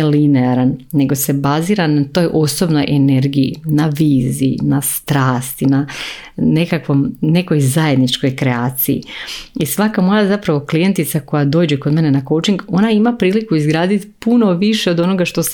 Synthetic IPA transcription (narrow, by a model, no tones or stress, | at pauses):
lineaɾanːe̞ɡo̞se̞baziːɾanat̪o̞jʔo̞so̞bno̞jʔene̞ɾɡijḭnaʋiːzḭḭnast̪ɾaːst̪inane̞kakʋo̞mne̞ko̞jzaje̞d̪nit͡ʃko̞jkɾeaːt̪sijḭisʋakamojazapɾaʋo̞klije̞nt̪it̪sako̞jad̪o̞ːd͡ʑeko̞d̪me̞nenako̞wt͡ʃiŋɡo̞naimapɾiːlikuizɡɾaːd̪it̪i̥puno̞ʋiʃeo̞d̪o̞no̞ɡaʃt̪o̞s